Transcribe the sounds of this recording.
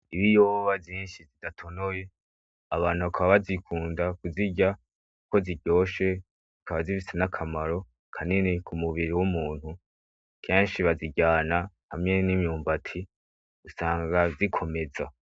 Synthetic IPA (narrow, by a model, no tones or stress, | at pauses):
iβijoːβavjiːnʃizidatʰo̞noje̞ | aβaːnhuβakʰaβaβazikʰuːndakuziɟa | uko̞ziɟo̞ːʃe̞ | zikaβazifisenakʰamaɾo̞ | kʰaninekʰumuβiɾiwumuːn̥hu | kʰeːnʃiβaziɟaːna | hamŋe̞nimɲuːmbatʰi | usaːŋɡazikʰo̞me̞za